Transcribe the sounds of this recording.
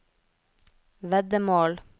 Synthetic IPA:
ʋɛd̪əmoːl

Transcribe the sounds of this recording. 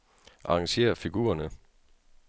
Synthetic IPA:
ʔɑ̈ɑ̈ŋɕe̝̰ːɐfiɡ̥ṵːɐnə

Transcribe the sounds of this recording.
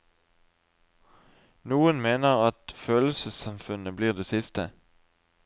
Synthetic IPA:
nuːənmeːnəʁɑt̪føːl̩səsɑmfʉnəbliːʁd̪eːsɪst̪ə

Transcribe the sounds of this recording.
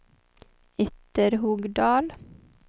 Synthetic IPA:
ɪt̪əɾhʊɡd̪ɑːl

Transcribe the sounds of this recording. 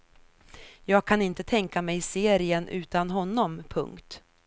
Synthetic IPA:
jɑːɡ̚kʰanɪnt̪ət̪ʰɛŋkamɛjɪseːɾɪənʔʉ̟̰ːt̪anɦɔnːɔmpʰɵ̰ŋkt̪

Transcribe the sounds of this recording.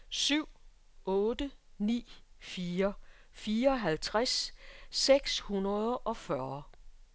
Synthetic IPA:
syʊ̰ | ɔ̽ːd̥ənḭː | fiːɐ | fiːɐɒ̽ɦælt͡sʰʁasseɡ̥shunɐð̞ˠʔɒ̽fɶɐ

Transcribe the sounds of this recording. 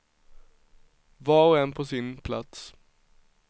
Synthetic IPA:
vaɔɛnːpʰɔsɪnpʰlat̪s

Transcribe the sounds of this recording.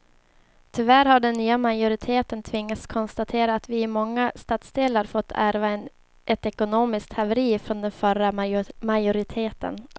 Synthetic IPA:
t̪ʰʏvæɾhaɖɛnːyːamajʊɾɪt̪ʰeːt̪ənt̪ʰvɪŋːat̪skʰɔnst̪at̪ʰeːɾaːt̪vɪɪmɔŋːast̪ɑːt̪sd̪eːlaɾfɔt̪ʰːæɾvaɛn | ʔɛt̪ɛkʊnoːmɪsk̚t̪ʰhavɛɾiːfɾɔnd̪ɛnfœɾamajʊɾɪt̪ʰeːt̪ə̰n

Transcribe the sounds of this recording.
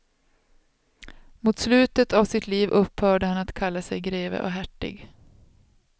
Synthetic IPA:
muːt̪slʉ̟ːt̪ət̪avsɪt̪ʰliːvʔɵpːhœːɖəhanat̪kʰalːasɛjɡɾeːvə̰ʔɔɦæʈːɪ̰ɡ

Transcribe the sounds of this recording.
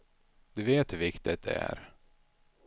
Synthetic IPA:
d̪̥ɵveːt̪vɪkt̪ɪt̪̚d̪ɛ̰æ̰ɾ

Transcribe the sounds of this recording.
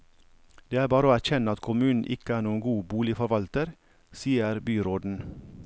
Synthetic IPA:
d̪̥eːæːɾbɑːɾəoːæçɛnəɑt̪kʰʊmʉːnn̩ʔɪkəæːɾɳuːənɡuːbuːlɪfɔɾʋɑlt̪əɾ | siːəɾbyːɾoːd̪n̩

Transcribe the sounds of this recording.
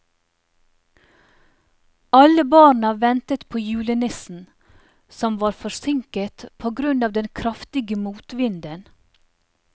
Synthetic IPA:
ɑləbɑːɳəʋɛnt̪ət̪pʰoːjʉːlənɪsn̩ | sɔmʋɑːɾfɔsɪŋkət̪pʰoːɡɾʉndɑːʋd̪ɛnkʰɾɑft̪ɪɡəmuːt̪ʋɪnd̪ən

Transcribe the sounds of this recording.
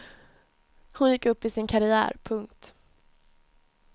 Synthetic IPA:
hʊnjɪkːɵpːɪsɪnkʰaɾɪæ̰ːɾpʰɵŋkt̪

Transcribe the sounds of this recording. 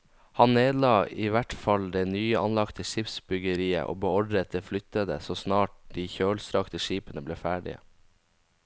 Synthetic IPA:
hɑnneːd̪lɑːiːʋæʈfɑld̪eːnyːəɑnlɑkt̪ʰəʃɪpsbʏɡəɾiːə̰ʔo̰ːbəɔɖɾət̪̚d̪eːflʏt̪əd̪ə̰soːsnɑːʈ̚d̪̥iːçøːlsɾɑkt̪əʃiːpənəbleːfæːɖɪ̰ə̰

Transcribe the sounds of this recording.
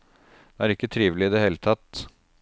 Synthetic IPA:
æɾɪkːət̪ʰɾiːʋlɪɪd̪ɛheːlət̪ʰɑt̪

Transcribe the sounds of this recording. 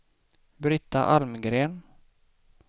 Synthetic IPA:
bɾɪt̪ːa̰ʔalmɡɾeːn

